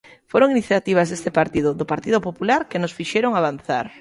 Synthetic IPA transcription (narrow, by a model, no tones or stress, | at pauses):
foɾoŋiniθjat̪iβ̞azðest̪epaɾt̪iðʊðopaɾt̪iðʊpopulaɾkenosfiʃeɾoŋaβan̟θa̰ɾ